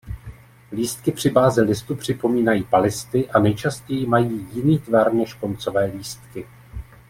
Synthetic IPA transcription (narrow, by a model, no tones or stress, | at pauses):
liːst̪kɪpr̝̥ɪbaːzɪlɪst̪upr̝̥ɪpo̞miːnajiːpalɪst̪ɪʔanɛjt͡ʃascɛjɪmajiːjɪniːt̪vaɾnɛʃko̞nt͡so̞vɛːliːst̪kɪ